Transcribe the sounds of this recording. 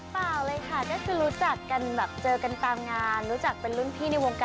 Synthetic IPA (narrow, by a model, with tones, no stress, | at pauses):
paː˨˩wlɤː˧jkʰa˥˩kɔː˥˩kʰɯː˧ɾuː˦˥t͡ɕa˨˩kːa˧nbɛː˨˩p̚t͡ɕɤː˧ka˧nt̪aː˧mŋaː˧nɾuː˦˥t͡ɕa˨˩k̚pe˧nlu˥˩nt̪ʰiː˥˩na˧jwo˧ŋkaː˧